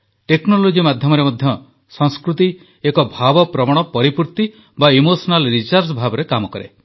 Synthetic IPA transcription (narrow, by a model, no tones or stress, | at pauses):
ʈeknolod͡ʒimad̪ʱjɔmɔɾemɔd̪ʱjɔ | sɔŋskɾut̪i | ekɔbʱabɔpɾɔmɔɽ̃ɔpɔɾipuɾt̪i | baimosɔnalɾisaɾsbʱabɔɾekamɔkɔɾḛ